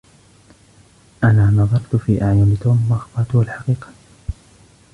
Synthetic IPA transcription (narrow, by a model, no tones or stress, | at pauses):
ʔanaːnɑðˤɑɾˤt̪fiːʔaʕjʊlɪt̪oːmwɑʔxbɑɾˤt̪ʊhalħaqiːqɑ̥